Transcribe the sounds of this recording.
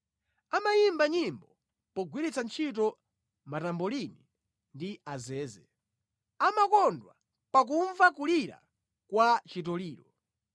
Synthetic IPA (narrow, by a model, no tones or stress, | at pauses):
amajimbaɲimbɔ | pɔɡwiɾit͡sant͡ʃʰit̬ɔ | matambɔlini | ndiazɛːzɛ | amakɔndwa̰ | pak̬uɱvakuliɾa̰ | kwat͡ʃitɔliːɾɔ